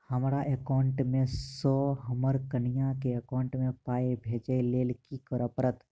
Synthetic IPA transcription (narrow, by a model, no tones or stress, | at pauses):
həmɾaʔekaːɳʈmẽsɔːɦəməɾkənɪjãkeekãʊɳʈmẽpaːebʱeːd͡ʒəleːlkikəɾəpɾət̪